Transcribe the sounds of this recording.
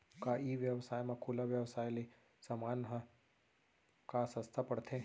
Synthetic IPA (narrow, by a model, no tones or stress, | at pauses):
kaiʋjəʋsajmãkʰulaʋjəʋsajli | səmanɦə | kasə̃st̪ʰapəɽt̪ʰe